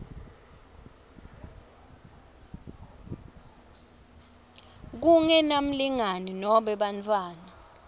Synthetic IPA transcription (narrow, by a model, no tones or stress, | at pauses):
k̬uŋɛnam̩liŋaninɔɓɛɓant͡fʰʼwaːna